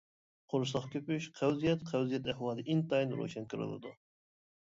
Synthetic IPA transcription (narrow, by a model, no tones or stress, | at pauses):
qʰonʃsˠɑχkʲʰøpyʃqʰæwzijɛt̪qʰæwzijɛt̪ɛhwɑːd̪ɨʔint̪ɑjnɾo̰ʃɛnkʲʰɨɾɨ̰lˠɨ̰d̪ṵ